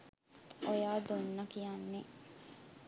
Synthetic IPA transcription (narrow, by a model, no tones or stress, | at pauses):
ojaːd̪onːɐkijanːe